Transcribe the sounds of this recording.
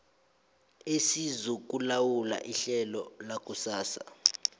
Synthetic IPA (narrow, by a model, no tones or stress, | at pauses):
esizuk̬ʼulawula̰ʔiɬɛlɔlakʼusaːsa̰